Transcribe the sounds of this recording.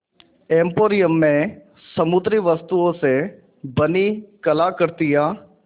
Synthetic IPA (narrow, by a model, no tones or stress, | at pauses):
ɛ̃ːmpoːɾɪjəmːẽː | səmʊd̪ɾiːʋəst̪uõːseː | bəniːkəlaːkəɾt̪ijaː